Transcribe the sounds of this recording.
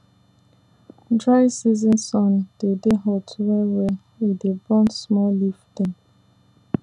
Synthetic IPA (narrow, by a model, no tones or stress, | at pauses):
dɹaɪsizĩnsɔ̃nd̥edeɦɔtʰɹɛwe | idebɔ̃nsmɔlifdɛ̃n